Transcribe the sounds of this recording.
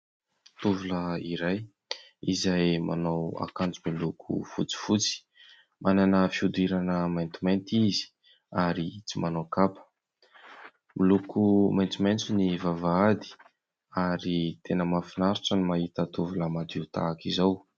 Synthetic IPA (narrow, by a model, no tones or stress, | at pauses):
t̪uvuləiɾaj | izajma̰nawa̰kand͡zumilukʰṵfut͡si̥fut͡si̥ | mʔananəfiud̪uiɾanəmajnt̪imajnt̪izi̥ | aɾit͡simanokapə̥ | milukumajnt͡sumajnt͡sunivavaad̪i̥ | aɾit̪ʰenəmafinaɾiʈ͡ʂənimaɦit̪ət̪uvuləmad̪it̪a̰ːkizaw